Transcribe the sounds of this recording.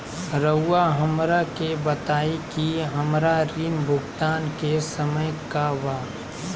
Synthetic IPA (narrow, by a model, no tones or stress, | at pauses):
ɾəʊːaɦəmɾakebət̪aːikiɦəmɾaɾiːnbʱʊɡt̪aːnkesəməjkaʋa